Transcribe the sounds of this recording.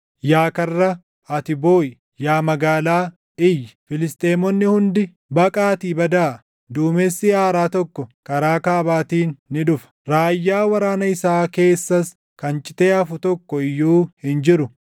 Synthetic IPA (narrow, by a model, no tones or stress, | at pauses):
jaːkɐrːɐ | ɐt̪ɪboːjɪ | jaːmɐɡaːlaː | ɪjːɪfɪlɪst̪ʼe̞ːmɔnːɪhʊnd̪ɪ | bɐkʼaːt̪iːbɐd̪aː | d̪uːmɛsːɪaːɾaːt̪ɔkːɔkʼɐɾaːkaːbaːt̪iːnːɪᶑʊfɐ̥ɾaːjːaːwɐɾaːnɐɪsaːke̞ːsːɐs | kɐnt͡ʃʼɪt̪e̞ːɐfʊt̪ɔkːɔɪjːuːhɪnd͡ʒɪɾʊ